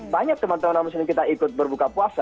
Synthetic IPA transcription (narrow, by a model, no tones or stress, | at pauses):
baɲak̚t̪əmant̪əmanamus̬ɪnɪkit̪aikʊt̪̚bərbukapuasa